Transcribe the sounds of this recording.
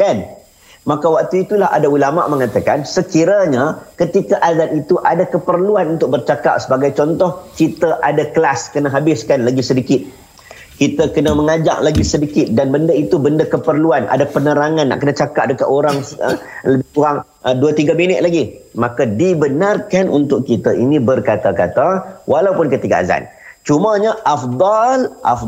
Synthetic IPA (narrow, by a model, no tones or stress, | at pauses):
dan | makawak̚t̪uit̪ulaɦa̰daulama̰ʔməŋat̪akansəkiɾaɲakət̪ikaʔazanit̪uʔadakəpərluanunt̪ʊk̚bərt͡ʃaka̰ʔ̚səbaɡajt͡ʃɔnt̪ɔhkit̪əʔadaklaskənəɦabɪskanlaɡisədikɪt̪̚ | kit̪əkənəməŋad͡ʒa̰ʔ̚laɡisədikɪt̪̚danbəndəit̪ubəndəkəpərluanʔa̰dapənəɾaŋãnːa̰ʔkənət͡ʃakap̚dəkaʔoɾaŋləbɪhkuɣaŋ | duət̪iɡaminɪt̪̚laɡimakadibənarkanṵnt̪ʊʔkit̪əʔinĩbərkat̪akat̪awʔalawpʊnkət̪iɡaa̰za̰nt͡ʃumaɲaʔafd̪ˤɑlʔa̰f